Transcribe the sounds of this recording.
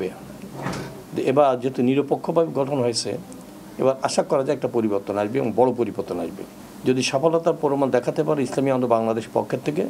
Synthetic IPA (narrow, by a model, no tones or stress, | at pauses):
be | ebad͡ʑeet̪uniɾopokʰːobʱabeɡɔʈʰonɦojet͡ɕʰḛ | ḛbaɾaʃakːɔɾad͡ʑajɛk̚ʈapoɾiboɾt̪onaʃbḛbõŋbɔɽopoɾiboɾt̪onaʃbḛ | d͡ʑod̪iʃafolɔt̪aɾpɔɾomand̪ɛkʰat̪epaɾeislamiɔnd̪obaŋlad̪eʃpɔ̰kʰːet̪ʰːek̬e